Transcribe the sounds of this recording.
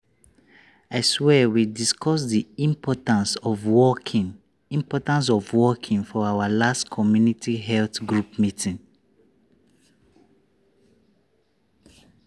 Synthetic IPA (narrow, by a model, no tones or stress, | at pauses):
aɪswɛwidiskʰɔs̬diĩmpʰɔtãnsɔvwɔkʰĩŋ | ĩmpɔtãns̬ɔvwɔkʰĩŋfɔawalastkʰɔmjunitʰiɦɛlθɡɹupmitʰĩŋ